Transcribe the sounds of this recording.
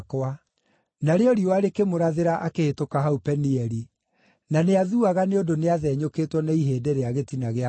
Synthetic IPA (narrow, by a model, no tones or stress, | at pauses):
kwa | naɾeɔɾiwaɾekemoɾaðeɾaʔakehetokaɦaupɛniɛɾi | naneaðuaɣaneodoneaðɛːɲokeːtwɔnaiɦeːdɛɾeaɣetinaɣea